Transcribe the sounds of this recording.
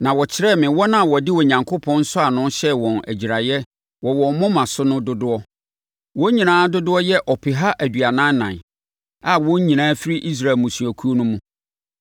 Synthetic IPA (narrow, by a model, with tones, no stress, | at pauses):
nã˨wɔ˨t͡ɕʰɪ˦ɾɛ˦˨mɪ̃˨wɔ˦nã˦˨wɔ˨dɪ˦wɔ˨ɲã˨ŋkʰo˦pʰɔ̃˦n̩˦sʊ˦a˨nʊ̃˦ɕɛ˦wɔ̃˨næ̰˨d͡ʑi˨ɾa˨jɛ˦ | wɔ˨wɔ̃˨˦mʊ̃˦mã˨sʊ˦nʊ̃˦dʊ˦dʊ˦ɔ˦ | wɔ̃˦ɲĩ˨nãː˨˦dʊ˦dʊ˦ɔ˦jɛ˦ʔɔ˨pʰɪ˨ɦa˦ʔæ˨dɥa˨nã˦n˦nã̰˨n | a˨wɔ̃˦ɲĩ˨nãː˨˦fi˦ɾi˦ʔi˦s̬ɾa˨mũ˨su˨æ˨kʰu˦o˦nʊ̃˦mũ˦